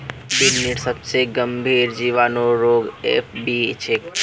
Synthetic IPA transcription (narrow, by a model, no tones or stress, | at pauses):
bɪnːɪʈsəbseɡəmbʱiːɾd͡ʒiʋaːnoɾoːɡḛpʰbit͡ʃʰek